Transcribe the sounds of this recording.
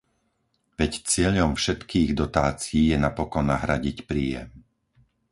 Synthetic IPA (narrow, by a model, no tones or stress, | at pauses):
ʋɛct͡sɪɛʎɔmfʃɛt̪kiːɣd̪ɔt̪aːt͡siiːjɛnapɔkɔnːaɦɾaɟicpɾiːjɛ̰m